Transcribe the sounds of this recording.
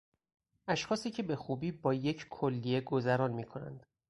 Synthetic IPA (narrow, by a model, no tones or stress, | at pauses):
ʔæʃxɒːsiːcʰe̞be̞xuːbiːbɒːje̞cʰkʰo̞lːije̞ɡo̞zæɾɒːnmiːkʰo̞næ̰nd̪̥